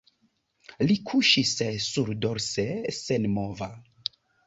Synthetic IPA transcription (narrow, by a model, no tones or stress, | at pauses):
likʰuʃissuɾdo̞ɾsesenmova